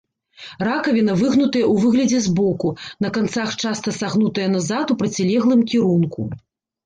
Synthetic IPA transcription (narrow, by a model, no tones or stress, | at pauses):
rakɐvʲinɐvɨɣnut̪ɐjɐʔuvɨɣlʲɐd͡zʲɛzbɔkunɐkant̪saxt͡ʂast̪ɐsaɣnut̪ɐjɐnɐzat̪upɾɐt͡sʲilʲɛɣlˠɨmkʲiɾunkṵ